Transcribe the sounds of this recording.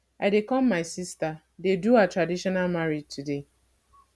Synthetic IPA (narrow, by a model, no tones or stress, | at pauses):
aɪdekɔmːaɪsista | deduatɹadiʃɔnalmaɾid͡ʒtʰude